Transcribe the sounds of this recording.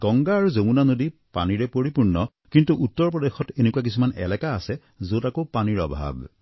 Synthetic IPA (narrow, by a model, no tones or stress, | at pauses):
ɡ̥ɔŋɡaːɹuzomunanodipaniɹɛpoɹipuɹnɔ | kintuʔutːɔɹpɹɔdexɔtenekuak̬isumanɛ̰lɛkaːsɛ | zotakopaniɹɔ̰bʱa̰b